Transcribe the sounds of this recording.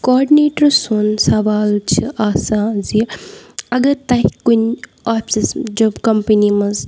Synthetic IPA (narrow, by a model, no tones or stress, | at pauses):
kɔːɖineːʈɐɾsunsɐʋaːlt͡ʃʰiʔaːsãːzi | ɐɡɐɾt̪ɐɦikun | aːpsisd͡ʒobkɐmpənimɐz